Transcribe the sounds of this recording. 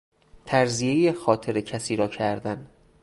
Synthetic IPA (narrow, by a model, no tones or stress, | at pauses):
t̪ʰæɾzijejexɒːt̪ʰeɾecʰæsiːɾɒːcʰæɾd̪æn